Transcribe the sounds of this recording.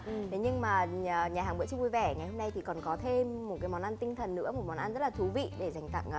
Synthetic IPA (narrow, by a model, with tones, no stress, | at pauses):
t̪ʰe˨˦ɲɨ˧ŋmaː˨˩˨ɲaː˨˩ɦaː˨˩ŋɓɨ̰˧˥t͡ɕɨ˧ŋvu˧jvɛ˧˩ŋa˨˩jho˧mna˧jt̪ʰi˨˩kɔ˨˩nkɔ˨˦t̪ʰe˧mːo˨˩t̚kaː˨˦jmɔ˨˦nʔa˧nt̪ï˧ŋt̪ʰə˨˩nːɨ̰˧˥mo˨˩t̚mɔ˨˦nʔaː˧nzə˦˥t̚laː˨˩t̪ʰu˨˦vḭ˧˨ɗe˧˩za˨˩jŋ̟t̪a̰˧˨ŋː˨